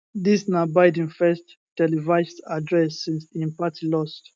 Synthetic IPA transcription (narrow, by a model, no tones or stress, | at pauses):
disnabaɪdĩnfɛst | tɛlivaɪstadɹɛsːĩnsĩnpatʰilɔst